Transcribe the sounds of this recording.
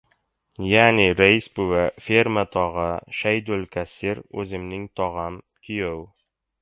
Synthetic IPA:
jæniɾæisbʉwɘfʲermət̪ɒʁɤʃæjd̪ɵlkæsiɾʉ̰zɘ̆mnɘŋt̪ɒʁɑn | kijɘw

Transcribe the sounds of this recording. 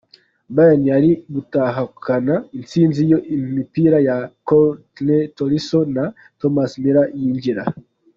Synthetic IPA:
bajaniaɾibutaɦakʰanaint͡sinzijɔimipiɾajakɔtnɛtɔɾisɔna | tɔmasmiɾajiɲd͡ʒiɾa̰

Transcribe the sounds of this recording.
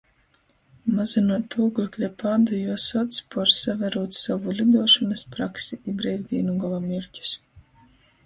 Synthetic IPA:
mazinuɔt̪uːɡuklʲɛpaːd̪ajuɔsɔt̪spɔɾsavɛɾuɔt̪savulʲid̪uɔʃɔnaspɾaksiʔibɾɛjvʲd̪ʲiɛnuɡɔlˠɔmʲiɾʲcʲu̥s

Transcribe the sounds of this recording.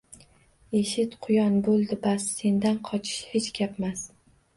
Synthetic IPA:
e̞ʃɪt̪qʰʊjɒnbolˠd̪ɪbasːe̞nd̪anqʰɒt͡ʃʰɪ̥ʃhet͡ʃɡʲapmas

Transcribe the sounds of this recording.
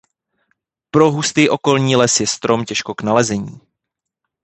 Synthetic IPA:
pɾo̞ɦust̪iːʔo̞ko̞lɲiːlɛsjɛst̪ɾo̞mcɛʃko̞knalɛzɛɲiː

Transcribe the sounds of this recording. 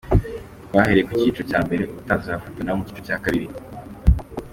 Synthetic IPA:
waheɾejekwiciːt͡ʃocaːmbe̞ɾe̞ʔutazafutanaomuciːt͡ʃocaːkaβiɾi

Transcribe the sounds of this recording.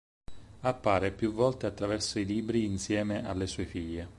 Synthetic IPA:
apːaːɾepjuvːɔlt̪eat̪ːɾavɛrsoiliːbɾiːnsjɛːmeʔalːesuːefiʎːe

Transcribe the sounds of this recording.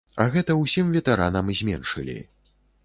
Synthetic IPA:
ɐɣɛt̪ɐwsʲimvʲɛt̪ɛɾanɐmzʲmʲɛnʂɨ̰lʲḭ

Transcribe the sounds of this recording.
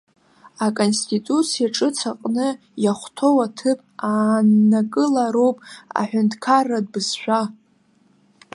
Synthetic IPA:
akʼonstʼʰitʼut͡sʰijaʈ͡ʂʼɨt͡sʰaqʼnɨ | jaχʷtʰo̞watʰɨpʼanːakʼɨlaɾo̞wpʼa̰ħʷᶣʊntʰkʰarːad̚bɨzʃʷᶣa

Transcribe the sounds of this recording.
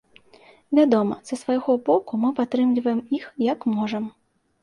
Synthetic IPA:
vʲad̪ɔmɐ̰zɐsvajɣɔbɔkumɨpat̪ɾɨmlʲivɐjɛmixjɐkmɔʐɐm

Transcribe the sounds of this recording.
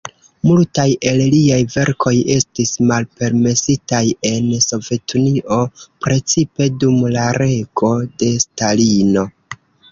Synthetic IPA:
multaje̞lliajve̞ɾkʰo̞je̞stismalpe̞ɾme̞sitaje̞nso̞ve̞tʰuniʔo̞pɾe̞t͡sipe̞dumlaɾe̞ɡo̞de̞stalino̞

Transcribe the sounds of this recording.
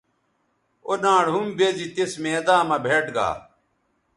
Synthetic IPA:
onãːɽɦumbezit̪esmeːd̪ãːmɐbʱeːʈɡa̰ː

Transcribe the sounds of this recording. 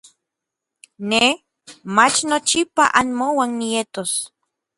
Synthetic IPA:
ne | mat͡ʃnot͡ʃipa̰ʔanmowanːijet̪os

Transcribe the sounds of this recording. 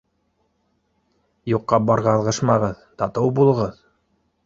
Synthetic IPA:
juqːɑbɑɾʁɑːlˠʁɤʃmɑʁɤð | t̪ɑt̪ɤwbulˠɤ̆ʁɤð

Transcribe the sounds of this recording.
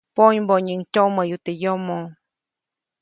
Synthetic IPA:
poɲboɲiŋtʲoməjut̪ejomo

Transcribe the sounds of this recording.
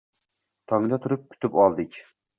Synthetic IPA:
t̪ʰɑŋd̪ɛt̪ʰuɾɨp̚kʲʰy̥t̪ʰypɑlˠd̪ɪkʲ

